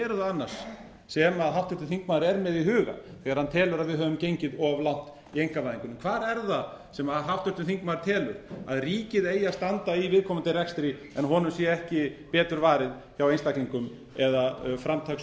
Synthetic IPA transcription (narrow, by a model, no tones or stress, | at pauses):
ɛɾðaanːḁs | sɛmaðɦawft̪ʏt̪ɪnθiŋk̚maðɾɛɾmɛðiɦʏːɣa̰θɛɣaɾ̥hant̪ʰɛːlʏɾaðvɪðɦœːvʏmcejɲcɪðɔɣvlawn̥t̪ | iejŋ̥kavaðiŋkʏnʏmkʰvaːɾɛɾða | sɛmaðɦaft̪ʏɾt̪ʏnθiŋkmaðɾ̥t̪ʰɛːlʏ̰ɾ̥aðriːcɪðeːjast̪ant̪aivɪðkʰɔːmant̪ɪrɛkst̪ɾi | ɛnɦɔnʏmsjɛɛhcɪpɛːt̪ʏɾvaːɾɪð | çawenst̪ajkliŋkʏm | ɛðafɾamt̪ʰaxs